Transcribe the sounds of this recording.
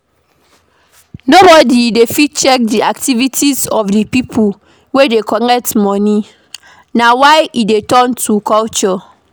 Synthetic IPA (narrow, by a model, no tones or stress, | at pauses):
nobɔdidefit̚t͡ʃɛk̚diaktivitʰisɔfdipipʰul | wedekʰɔnɛk̚tmɔni | nawaɪidetɔ̃ntʰukɔlt͡ʃɔ